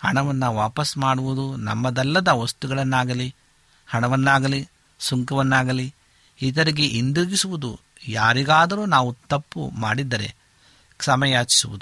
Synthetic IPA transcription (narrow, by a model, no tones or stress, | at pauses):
hɐɳɐʋɐnːɐʋaːpɐsmaːɽuʋud̪unɐ̰mːɐd̪ɐlːɐd̪ɐʋost̪uɡɐɭɐnːaːɡɐli | hɐɳɐʋɐnːaːɡɐli | suŋkɐʋɐnːaːɡɐli | id̪ɐɾiɡe̞ʔind̪uɾɡisuʋud̪ṵ | jaːɾiɡaːd̪ɐɾuːnaːʋut̪ɐpːṵmaːɽid̪ːɐɾe̞̰ | ksɐmɐjaːt͡ʃi̥suʋud̪u